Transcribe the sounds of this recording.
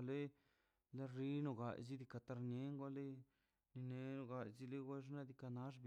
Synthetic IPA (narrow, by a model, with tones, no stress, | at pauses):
le˦ | la˦ri˦no˧ɡa˨jzi˦d̪i˧ka˧t̪a˧ɾne˦ŋɡʷa˦le˦ | ni˧ne˨no˧ɡa˧jzi˦le˦ɡʷwe˦ʐna˦d̪i˧ka˧na˦ʐb